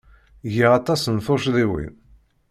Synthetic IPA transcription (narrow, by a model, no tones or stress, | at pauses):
ʝiɑt̪ˤɑsənθoʃðiwḭn